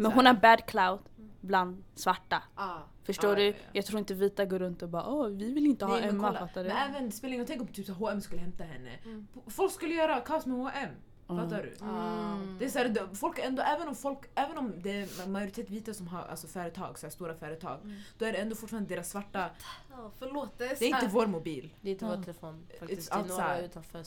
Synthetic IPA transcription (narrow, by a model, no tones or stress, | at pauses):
mɛnɦʊnæɾbæːd̪kʰlawd̪bland̪svaʈːa | fœʂtoːɖɵjɑɡt̪ʰɾuːɪnt̪əviːt̪aɡoːɾɵnt̪ɔbɑːɾa̰ʔɔvɪvɪlɪnt̪əhɛfat̪ːadmɛnɛːvənspelɪŋjat̪ɛŋkəɾɔt̪ʰyːpsæːɾɦoːɛmskɵləhɛmt̪aɦɛnːə̰fɔlkskɵlːəjœːɾakʰɑːsmɛhoʔɛm | faːaɖʉ̰ | d̪ɛæsæːɾd̪fɔlkɾɛnd̪oːʔɛːvənɔmfɔlkæːvənɔmd̪ɛæɾmajʊɾɪt̪ʰeːt̪viːt̪asɔmɦa̰ɾʔa̰lsɔfœːɾət̪ʰɑ̰ːɡsæːst̪uːɾafœːɾət̪ʰɑ̰ːɡd̪̥ɔæɖɛɛnd̪oːfʊʈfɑːɾand̪eːɾasːvaʈːa | fɭoːt̪d̪ɛɾɪt̪əvoːɾmʊbiːld̪ɛɪnt̪əɛfaalsæːt̪ʰf